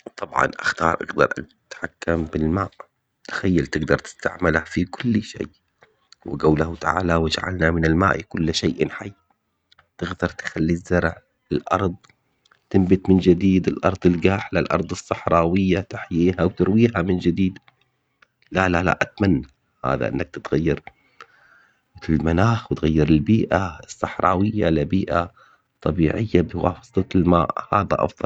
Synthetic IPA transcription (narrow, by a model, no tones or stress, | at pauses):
t̪ˤɑbʕɑ̰nʔa̰xt̪ɑ̰ːɾˤʔɪ̰ɡd̪ɑ̰ɾˤʔa̰t̪ħakːambɪlmaːʔ | t̪ḁxajːalt̪ɪɡd̪ɑɾˤt̪ɪ̥st̪a̰ʕmalahfikʊlːʃḛː | wɪ̰ɡawlaht̪aʕa̰ːlawɪd͡ʒaʕa̰lnamɪnɪlmaːʔkʊlːʃeːʔɪnħajː | t̪ɪɣd̪ɑɾˤt̪xalːizːɑɾˤʕ | lɪlʔɑ̰ɾˤd̪ˤ | t̪ɪmbɪt̪mɪnd͡ʒɪd̪iːd̪ɪlʔɑɾˤðˤɪlɡaːħlalʔɑ̰ɾˤðˤɨsˤːɑħɾˤɑːwɪjːat̪aħjiːhawt̪ɪɾwiːhamɪnd͡ʒɪd̪iːd̪ | lalala̰ʔat̪manːa | ha̰ːða̰ʔɪ̰nːak̚t̪ɪt̪ɣajːɑɾ | lmanaːxwɪt̪ɣajːɪɾɪlbiːʔaɨsˤːɑħɾˤɑːwɪjːalɪbiːʔa | t̪ˤːɑbiːʕɪjːabwɑːfst̪ˤɑt̪ɪlma̰ːʔhaːða̰ʔɑ̰fðˤɑl